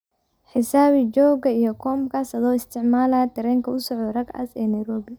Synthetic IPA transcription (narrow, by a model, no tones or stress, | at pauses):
ħɪsaːβɪd͡ʒɔːɡɐijkʰɔːmkʰasɐðɔːɪst̪ʰɪʕmaːlaːt̪ʰɪɾɛːŋkʰɐʊsɔʕɔrɐɡɐ̰sɛːnɐjɾɔːbɪ